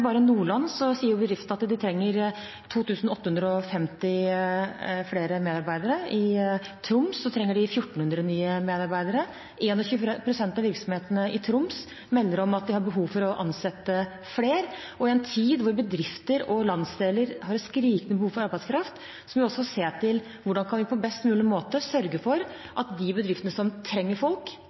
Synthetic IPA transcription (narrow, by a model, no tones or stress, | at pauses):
bɑːɾəɪnuːɭɑnːsɔsiːəɾjʊbəd̪ɾɪft̪nɑt̪d̪ɪt̪ʰɾɛŋːəɾ | t̪ʰuːt̪ʰʉːsn̩ɔt̪ːəhʉnd̪ɾəɔfɛmt̪ɪ | fɽeːɾəmeːd̪ɑɾbæɪd̪əɾəɪ | t̪ʰɾʊmsːɔt̪ʰɾɛŋːəɖɪfjʊʈːɳ̩hʉnd̪ɾənyːəmeːd̪ɑɾbæɪd̪əɾə | ʔeːnɔçʉːpʰɾʊsɛnt̪ɑʋɪɾksɔmheːt̪ənəʔɪt̪ʰɾʊms | mɛlːəɾɔmɑt̪̚d̪ɪhɑɾbəɦuːʋfɔɾɔʔɑnsɛt̪ːə | fleːɾ | ɔɪɛnt̪ʰiːd̪ʋʊɾbəd̪ɾɪft̪əɾɔlɑnsd̪eːləɾɦɑɾskɾiːkənəbəhuːfɔɾɑɾbæɪskʰɾɑft̪ | sɔmʋɪɔsːɔseːt̪ʰɪl | ʋʊɖɑnkʰɑnʋɪpʰɔbɛst̪mʉːlɪmoːt̪əsœɾɡəfɔɾ | ʔɑt̪d̪ɪbəd̪ɾɪft̪ənəsɔmt̪ʰɾɛŋːəɾfɔlk